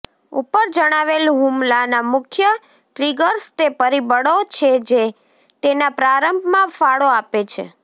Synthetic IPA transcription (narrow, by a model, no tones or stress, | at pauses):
upəɾd͡ʒəɽ̃aʋelɦumlanamʊkʰjə | ʈɾiɡəɾst̪epəɾibəɽot͡ʃʰed͡ʒe | t̪enapɾaɾəmbʱmãfaɽoapet͡ʃʰḛ